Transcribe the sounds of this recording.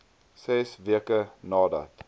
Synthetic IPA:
sɛsviəkənɑːdɐ̰t

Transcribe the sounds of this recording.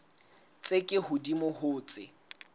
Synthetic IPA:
t͡sʼekʼɪhʊdimʊhʊːt͡sʼɪ̰

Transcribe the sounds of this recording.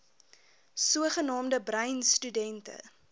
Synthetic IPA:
suəχənɑːmdəbrɐjnstydɛntə̰

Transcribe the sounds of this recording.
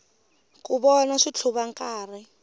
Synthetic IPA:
kʼuβɔnaʂit͡ɬʰuβaŋkʼaːri

